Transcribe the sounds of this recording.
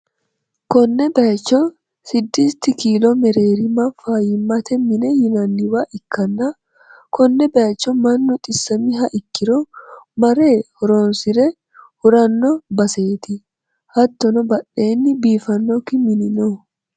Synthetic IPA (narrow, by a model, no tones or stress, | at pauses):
kɔnːɛbɐt͡ʃːɔ | sɪd̪ːist̪ːɪkiːlɔmɛɾe̞ːɾɪmɐfajɪmːɐt̪ɛmɪnɛjɪnɐnːɪwaʔɪkʰːɐnːɐ | kɔnːɛbɐt͡ʃːɔmɐnːʊt̪ʼɪsːɐmɪɦɐʔɪkːɪɾɔmɐɾe̞ːhɔɾoːnsɪɾɛ | hʊɾɐnːɔbɐse̞ːt̪ɪ | hɐt̪ːɔnɔbɐɗe̞ːnːɪbiːfɐnːɔkɪmɪnɪno